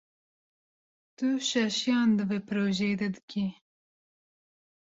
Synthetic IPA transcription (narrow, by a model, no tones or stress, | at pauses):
t̪uʃɛʃijɑːnd̪ɨveːpʰɨɾoːʒɛd̪ɐd̪ɨkʰʲi